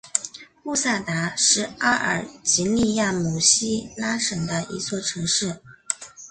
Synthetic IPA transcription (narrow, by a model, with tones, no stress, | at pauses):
pu˥˧sa˥˩t̪a˧˥ʂɻ̩˥˩a˥ʔə̰˞˨˩t͡ɕi˧˥li˥˧ja˥˩mu˨˩ɕi˥la˥ʂɤ˨˩ŋd̪ə˦ʔḭ˧˥t͡swɔ˥˩ʈ͡ʂʰɤ˧˥ŋʂɻ̩˥˩